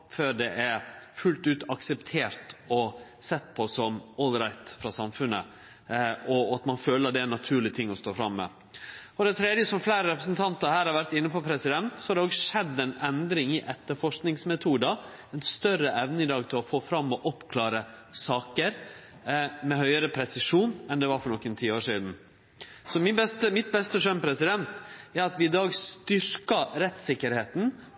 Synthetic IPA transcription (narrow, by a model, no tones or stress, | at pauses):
føːɾɖɛʔæɾfʉlt̪ʉːt̪ɑksɛpt̪ʰeːɾt̪ɔsɛt̪ːpʰɔsɔmɔlɾɑɪt̪fɾɑsɑmfʉnːə | ɔɑt̪mɑnføːləɑd̪ɛænɑt̪ʰʉːɭɪt̪ʰɪŋːɔst̪oːfɾɑmːɛ̰ | fɔɾd̪ɛɪt̪ʰɾeːd̪jəsɔmfleːɾəɾɛpɾəsnt̪ʰɑnt̪əɾhæːɾhɑɾʋæɾt̪ɪnːəpʰɔpʰɾɛsɪd̪ɛnt̪sɔ̥hɑɾd̪ɛoːɡʂɛd̪ːɛnɛnd̪ɾɪŋɪʔɛt̪ːəɾfɔʂknɪŋsmɛt̪ʰuːd̪ɑ | ɛɪnst̪œɾəʔɛʋnəɪd̪ɑːɡt̪ʰɪlɔfoːfɾɑmːɔʔɔpkʰlɑːɾəsɑːkəɾ | mɛhœʏəɾəpʰɾɛsɪʂuːnɛnd̪ɛʋɑɾfɔɾɳɔkːənt̪ʰiːoːʂiːd̪n̩ | sɔmbɛst̪əmɪt̪̚bɛst̪əʂœnpʰɾɛsɪd̪ɛnt̪æɾɑt̪ʋɪɪd̪ɑːɡst̪ʏɾkɑɾɛt̪sɪkːəɾheːt̪n̩